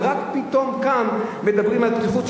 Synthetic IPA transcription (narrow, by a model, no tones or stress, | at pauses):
ʁakpit̪o̞mkanme̞d̪abʁimalt̪kefut